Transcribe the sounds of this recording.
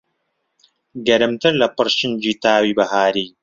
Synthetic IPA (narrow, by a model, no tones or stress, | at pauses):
ɡɐɾɨmt̪ɨɾlɐpɨɾʃɪnd͡ʒiːt̪aːwiːbɐɦaːɾiː